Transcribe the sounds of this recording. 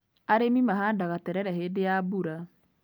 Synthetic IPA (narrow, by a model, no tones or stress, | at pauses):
aɾemimaɦadaɣatɛɾɛɾɛɦedejabuɾa